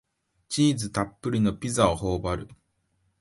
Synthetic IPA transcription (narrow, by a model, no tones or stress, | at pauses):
t͡ɕiːzɨt̪apːɯ̟ɾʲino̞pʲizaoho̞ːbaɾɯ̟